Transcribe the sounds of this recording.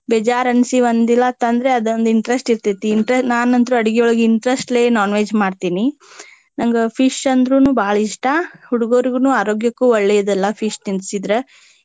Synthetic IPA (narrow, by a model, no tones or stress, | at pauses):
bɛd͡ʒaːɾɐnsiʋɐnd̪ilːɐt̪ːɐnd̪ɾeɐd̪ɐnd̪iɳʈɾesʈiɾt̪it̪ːiːɳʈɾesʈnaːnɐnt̪ɾuɐɽiɡiɔɭɡiɳʈɾesʈleːnaːnʋeːd͡ʒmaːɖt̪iːni | nɐŋɡepʰiʂɐnd̪ɾuːnuːbʱaːɭɐiʂʈahuɽuɡoːɾiɡunuːaːɾoːɡjɐkːuːʋɐɭːɛjɐd̪ɛlːɐpʰiʂnint̪sid̪ɾe